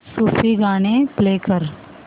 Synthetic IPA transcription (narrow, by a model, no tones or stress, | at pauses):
suːfiɡaːnepleːkəɾ